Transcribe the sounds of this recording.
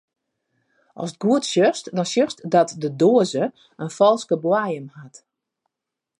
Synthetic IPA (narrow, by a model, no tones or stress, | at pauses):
ʔɔ̰sət̚ɡuətsjøstdɔnsjøstdɔtdədoəzə | ənfɔlˠskəbwajəmhat